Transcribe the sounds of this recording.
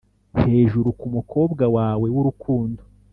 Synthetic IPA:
he̞ːʒuɾukumukʰo̞ːbɡawaːwe̞wuɾukʰuːndo

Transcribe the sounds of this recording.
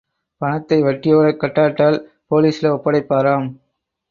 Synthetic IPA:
pɐɳɐt̪ːɐɪʋɐʈːɪjoːɽɐkːɐʈːaːʈːaːl | poːliːsɪlɐɔpːɐɽɐɪpːaːɾaːm

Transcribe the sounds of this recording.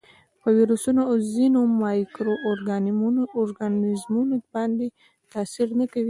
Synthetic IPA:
pəwiɾusunozinomɑjkɾoʔːɾɡaɾɡanɪzmunobɑnd̪e | t̪ɑsiɾnakawi

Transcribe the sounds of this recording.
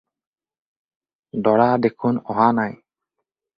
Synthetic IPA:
dɔɽad̪ekʰunɔɦanaj

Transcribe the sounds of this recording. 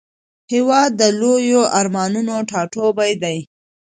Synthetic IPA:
hɪwɑd̪ːəlojoʔaɾmɑnunoʈʰɑʈobajd̪aj

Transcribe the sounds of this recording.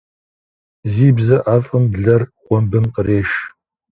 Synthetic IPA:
ziːbzɐʔaːfʼɨmbɮɐrχʷɔmbɨnqəreːʃ

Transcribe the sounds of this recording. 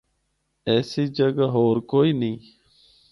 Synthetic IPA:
ɛːsiːd͡ʒəɡaɦoːɾkoːiːnĩː

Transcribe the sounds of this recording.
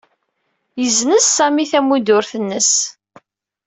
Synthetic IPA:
jəznəsːæmiθæmid̪ʊɾθənːəs

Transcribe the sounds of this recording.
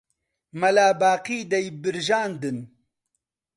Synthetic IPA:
mɐlaːbaːqiːd̪ɐjbiɾʒaːnd̪ɨn

